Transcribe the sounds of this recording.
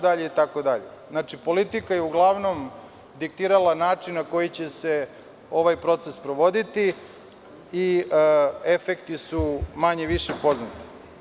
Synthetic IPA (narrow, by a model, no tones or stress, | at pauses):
d̪aʎeit̪ako̞d̪aʎḛ | znat͡ʃipo̞lit̪ikajeuɡlˠaʋno̞m | d̪ik̚t̪iːɾalˠanaːt͡ʂinnako̞jit͡ɕese̞ | o̞ʋajpɾo̞t̪sespɾoʋo̞d̪it̪i | i | efekt̪isumaɲeʋiʃepo̞znat̪i̥